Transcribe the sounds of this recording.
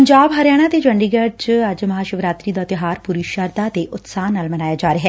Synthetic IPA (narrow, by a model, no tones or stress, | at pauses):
əɲd͡ʒaːbɦəɾjaːɽ̃ãːt̪eːd͡ʒəɳɖiːɡət͡ʃəd͡ʒməɦaːʃəʋɾaːt̪ɾiːd̪aːt̪ɪɦaːɾpuɾiːʃaɾd̪aːt̪eːʔʊt̪saːnaːlmənaːjaːd͡ʒaːɾeɦɛː